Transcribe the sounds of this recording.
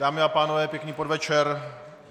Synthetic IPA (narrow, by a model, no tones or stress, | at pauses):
daːmɪapaːnovɛːpjɛkɲiːpodvɛt͡ʃɛɾ